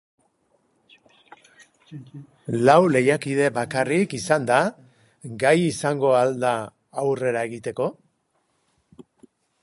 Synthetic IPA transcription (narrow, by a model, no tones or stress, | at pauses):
lawle̞jakið̞e̞bakarikisand̪a | ɡajisaŋɡo̞ald̪aː | wre̞ɾae̞ɣit̪e̞ko̞